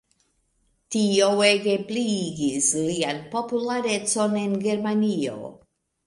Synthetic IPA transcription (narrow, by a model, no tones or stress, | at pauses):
tioweɡe̞pliɡislianpo̞pulaɾe̞t͡so̞ne̞nɡe̞ɾmanio̞̰